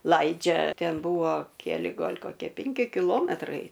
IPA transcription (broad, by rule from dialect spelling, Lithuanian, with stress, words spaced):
ˈlˠɐɪd͡ʒʲɛ ˈtʲɛn ˈbʊʋoː kʲɛˈlʲɪ ˈɡɐlʲ koːˈkʲiɛ ˈpʲɛŋʲkʲɪ kʲɪˈlˠoːmʲɛtrɐɪ